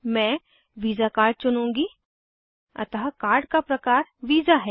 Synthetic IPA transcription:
mɛ̃ː | ʋiːzakaːɾɖ̚t͡ʃʊnũːŋɡi | ɐ̰t̪ɦakaːɾɖkapɾɐkaːɾʋiːzaɦɛː

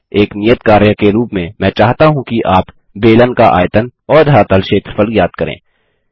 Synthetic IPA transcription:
eːknijət̪kaːɾjəkeɾuːpmẽmɛ̃ːt͡ʃaːɦt̪aɦũkiʔaːp | beːlənkaʔa̰ːjt̪ənɔːɾd̪ʱaːt̪əlʃeːt̪ɾəfʰəlɡjaːd̪̥̚kɐɾḛ̃ː

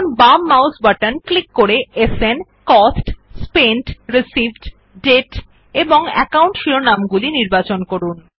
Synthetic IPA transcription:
nbamːawsbaʈanklikːoɾeesen | kɔsʈspenʈɾisibɖ | ɖeʈ | eboŋɛ̰kawɳʈʃiɾonamɡuliniɾbat͡ɕonkoɾun

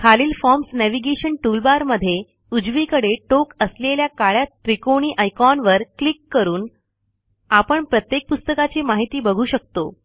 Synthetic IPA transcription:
kʰaliːlfɔɾmsnæʋiɡeɕəɳʈulbaɾməd̪ʱːje | ud͡zʋiːkəɽeʈokəsleljakaɭjat̪ɾikoɽ̃iːʔəjkɔnʋəɾklikːəɾuːn | apəɳpɾət̪jek̚pust̪əkat͡ɕiːmaɦit̪iːbəɡʱuːɕək̚t̪o̰

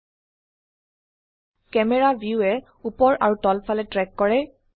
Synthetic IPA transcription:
kɛmɛɹabʱjuɛ | upɔɹʔaɹutɔlpʰalɛtɹɛkːɔɹɛ

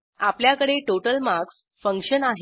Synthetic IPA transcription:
apljakəɽeʈoʈəlmaks | fəŋkʂənaɦ

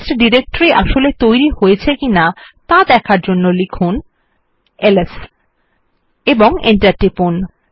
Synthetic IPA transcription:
sʈɖiɾek̚ʈoɾiʔaʃolet̪ojɾihojet͡ɕʰekinat̪ad̪ɛkʰaɾd͡ʑonːolikʰun | eles | eboŋḛɳʈaɾʈipun

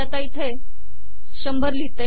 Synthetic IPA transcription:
at̪ait̪ʰe | ɕəmbʱəɾlit̪e

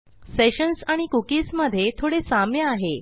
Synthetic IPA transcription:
seɕənsaɽ̃ikukiːsməd̪ʱːjet̪ʰoɽesamjəaɦe

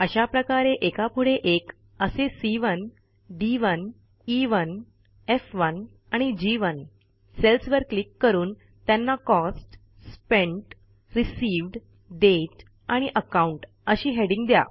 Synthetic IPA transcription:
əɕapɾəkaɾeʔekapʰuɽeʔek | əsesiʋən | ɖiʋən | iʋən | efʋən | aɽ̃id͡ʑiʋən | selsʋəɾklikːəɾuːn | t̪janːakɔsʈ | spẽɳʈ | ɾisiːʋɖ | ɖeʈ | aɽ̃iʔəkauɳʈ | əɕiːɦeɽĩŋɡd̪ja̰

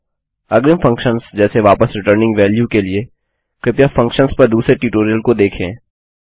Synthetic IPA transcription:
ɐɡɾɪmfɐ̃ŋkʃə̃nsd͡ʒɛːseʋaːpəsɾɪʈəɾnɪ̃ŋɡʋɛːljukelie | kɾɪpjafɐ̃ŋkʃənspɐɾd̪uːsɾeʈuːʈoːɾijəlkod̪eːkʰḛ̃ː

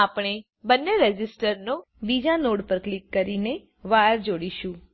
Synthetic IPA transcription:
apɽ̃e | bənːeɾɛd͡ʒɪsʈəɾno | bid͡ʒanoɽpəɾklɪkːəɾine | ʋaɾd͡ʒoɽiʃũ

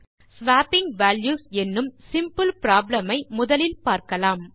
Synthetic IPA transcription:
sʋaːpɪŋɡʋæːljuːsɛnːɯmsɪmpɯlpɪɾaːblɐmɐɪmʊðɐlɪlpaːɾkɐlaːm

